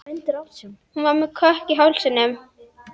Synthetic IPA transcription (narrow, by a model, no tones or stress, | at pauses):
nhunvaɾmɛðkʰœhcɪɦawlsɪnːʏm